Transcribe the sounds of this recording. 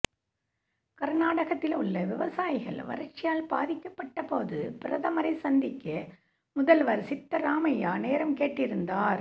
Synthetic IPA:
kɐɾnaːɽɐɣɐt̪ːɪlʊɭːɐʋɪʋɐsaːjɪɣɐ̰ɭʋɐ̰ɾɐt͡ʃːɪjaːlpaːðɪkːɐpːɐʈːɐpoːðɯpɪɾɐðɐmɐɾɐɪsɐnd̪ɪkːɐ | mʊðɐlʋɐɾsɪt̪ːɐɾaːmɐjaːneːɾɐmkeːʈːɪɾɯnd̪aːɾ

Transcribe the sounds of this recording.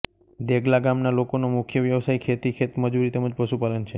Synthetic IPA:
d̪eɡlaɡamnalokonomʊkʰjəʋjəʋsaikʰet̪ikʰet̪məd͡ʒuɾit̪ɛməd͡ʒpəʃupalənt͡ʃʰe

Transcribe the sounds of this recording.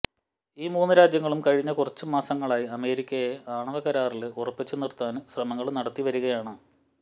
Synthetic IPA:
iːmuːnːɨɾaːd͡ʑjɐŋːɐɭumkɐɻiɲːɐkurɐt͡ɕːɨmaːsɐŋːɐɭaːjiɐme̞ːɾikʲːɐjeʔaːɳɐʋɐkɐɾaːrilɨurɐpːit͡ɕːɨnirt̪aːnɨɕrɐmɐŋːɐɭnɐɽɐt̪ːiʋɐɾuɣɐjaːɳɨ

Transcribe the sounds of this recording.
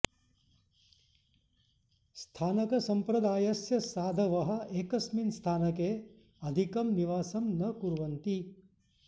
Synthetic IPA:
st̪ʰaːnɐkɐsɐmpɾɐd̪aːjɐsjɐsaːd̪ʱɐʋɐɦɐ̆eːkɐsminst̪ʰaːnɐkeː | ɐd̪ʱikɐmniʋaːsɐmnɐkuɾʋɐnt̪i

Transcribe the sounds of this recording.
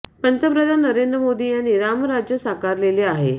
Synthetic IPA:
pənt̪əpɾəd̪ʱanəɾend̪ɾəmod̪iːjanːiɾaməɾad͡ʑjəsəkaɾleleaɦe

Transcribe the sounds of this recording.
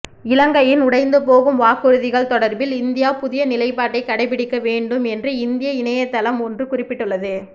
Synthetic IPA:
ɪlɐŋɡɐjɪnʊɽɐɪnd̪ɯp̬oːɣɯmʋaːkːɯɾɯðɪɣɐɭt̪ɔɽɐɾbɪlɪnd̪ɪjaːpʊðɪjɐnɪlɐɪpːaːʈːɐɪkːɐɽɐɪp̬ɪɽɪkːɐʋeːɳɖɯmɛndrɯɪnd̪ɪjɐɪnɐjɐt̪ːɐlɐmɔndrɯkʊrɪpːɪʈːɯlːɐðɯ

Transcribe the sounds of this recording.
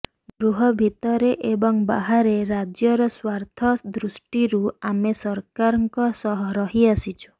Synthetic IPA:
ɡɾuɦɔbʱit̪ɔɾeʔebɔŋba̰ɦaɾeɾad͡ʒjɔɾɔswaɾt̪ʰɔd̪ɾusʈiɾuamesɔɾkaɾɔŋkɔsɔɦɔɾɔɦiasit͡ʃʰu̥

